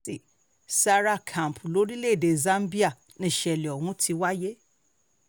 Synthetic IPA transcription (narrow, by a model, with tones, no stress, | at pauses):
i˨ | sa˧ɾa˦kʰã˨m˨pʰu˨lo˨˦ɾi˦le˦˨de˨zã˦m˦bi˦a˦˨ | nĩ˧˨ʃɛ˨li˨ɔ˨wũ˦tʰi˧wa˦je˦